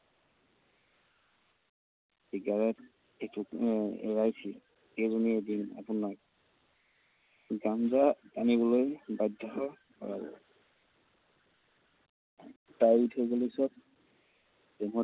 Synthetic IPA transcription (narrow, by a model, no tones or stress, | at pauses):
iɡaɹɛt | etuɛ̰ɹajsʰil | ejzɔniedina̰punak | ɡamzapanibɔlojbajdʱːɔɔ | kɔ̰ɹa̰bɔ̰ | tajitʰɔjɡɔlesɔt̚ | tɛmɔ